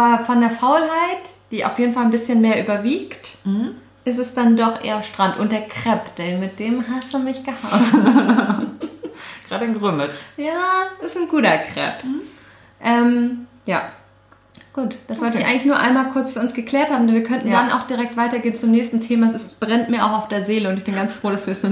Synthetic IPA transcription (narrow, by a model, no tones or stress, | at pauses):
ʔabɐfɔndeːɐfaʊlɦaɪtd̥iːa̰ʊfjeːdn̩falnbɪsçənmeːɐʔyːbɐviːkt | ʔɪs̬tɛsd̥andɔχʔḛːɐamʃtʁ̥antʔʊ̰nt̚d̥eːɐkʁ̥ɛpd̥ɛnmɪt̚d̥eːmɦasd̥umɪçɡ̥əha | ɡ̥ʁaːɾənɡʁʏmət͡sjaːɪsn̩ɡuːtɐkʁ̥ɛ̰p | ʔɛm | jaː | ɡ̥uːtd̥asvvɔltɪçʔa̰ɪŋklɪçnuɐʔa̰ɪnmaːlkʰʊɐt͡sfyɐʊnsɡ̥əkl̥eːɐthaːbm̩dɛnviɐkʰœntn̩dana̰ʊxd̥iʁɛk̚tv̥aɪtɐɡeːnt͡sʊmnɛːçstn̩tʰeːmaɛsɪsb̥ʁɛntmiːɐʔaʊxaʊfd̥eːɐzeːləʊntɪçb̥ɪnɡant͡sfʁ̥oːɾasv̥iːɐɛsnuː